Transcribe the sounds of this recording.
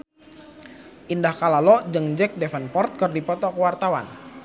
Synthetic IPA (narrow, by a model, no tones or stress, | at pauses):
ʔindahkalalɔd͡ʒəŋd͡ʒɛk̚dɛfɛnpɔrt̪̚kɨrdipɔt̪ɔkəwart̪awa̰n